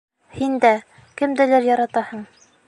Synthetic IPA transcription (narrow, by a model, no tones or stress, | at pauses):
hind̪æ | kɘ̆md̪ɘ̆læɾjɒɾɑt̪ɑhɤɴ